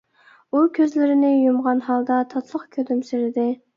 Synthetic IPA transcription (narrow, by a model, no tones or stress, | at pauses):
ukʲʰøzlɪɾɪnɪjumʁɑnɦɑlˠd̪ɑt̪ʰɑt̪ʰlˠəqkʲʰød̪ymsyɾɪd̪ɪ